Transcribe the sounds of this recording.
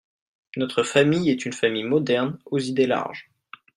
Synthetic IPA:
nɔt̪χəfamijɛt̪ynfamijmɔd̪ɛʁnozid̪ela̰ʁʒ

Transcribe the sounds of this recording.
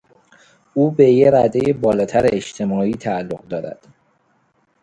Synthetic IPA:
uːbe̞jeɾæd̪ejebɒːlɒːt̪ʰæɾeeʃt̪ʰe̞mɒːiːt̪ʰæːlːoɣd̪ɒːɾæ̰d̪̥

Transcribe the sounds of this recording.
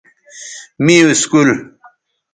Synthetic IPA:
mioiskul

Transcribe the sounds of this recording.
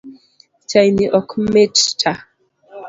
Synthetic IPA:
t͡ʃajniʔɔkʰmettʰa

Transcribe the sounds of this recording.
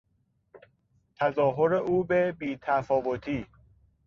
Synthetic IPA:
t̪ʰæzɒːɦoɾeʔuːbebiːt̪ʰæfɒːvot̪ʰiː

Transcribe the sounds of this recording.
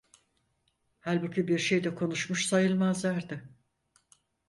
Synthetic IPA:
halʲbucʰybiɾʃejd̪ɛkʰo̞nuʃmuʃsajɯlˠmazlˠaɾd̪ɯ

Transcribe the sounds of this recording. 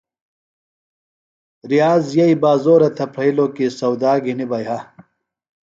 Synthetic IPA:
ɾijaːzjɐibaːzoːɾɐt̪ʰɐpʰɾɐiloːkisɐwd̪aːɡinibɐjɦɐ

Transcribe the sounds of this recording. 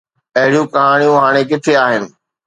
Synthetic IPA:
ɐɦɪɽijũkɐɦaːɽ̃ijũɦaːɽ̃ekɪt̪ʰeaːɦɪnɪ̆

